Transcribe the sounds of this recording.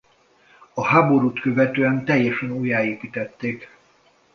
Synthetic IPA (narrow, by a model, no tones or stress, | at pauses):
ɒhaːbo̞ɾuːt̪kø̞vɛt̪øːɛnt̪ɛjːɛʃɛnuːjaːeːkit̪ɛt̪ːeːk